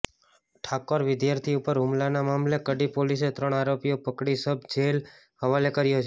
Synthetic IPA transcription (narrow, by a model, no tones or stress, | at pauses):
ʈʰakoɾʋɪd̪jaɾt̪ʰiupəɾɦʊmlanamamlekəɖipoliset̪ɾəɳ̃aɾopijopəkɽisəb̚d͡ʒel | ɦəʋalekəɾjot͡ʃʰ